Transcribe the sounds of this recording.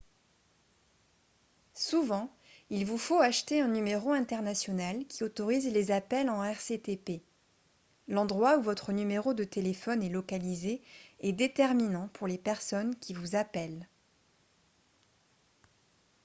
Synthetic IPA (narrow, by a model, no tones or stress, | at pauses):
suvɑ̃ | ilvufoaʃt̪eɛ̃nymeʁoɛ̃t̪ɛʁnasjɔnalkʲiot̪ɔʁizlezapɛlɑ̃ɛʁset̪epe | lɑ̃d̪ʁwauvɔt̪χənymeʁod̪ət̪elefɔnɛlɔkalizeɛd̪et̪ɛʁminɑ̃pʰuʁlepɛʁsɔnkʲivuzapɛl